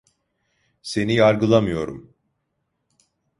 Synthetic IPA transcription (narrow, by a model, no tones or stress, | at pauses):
se̞nijaɾɡɯlˠamɯjo̞ɾṵm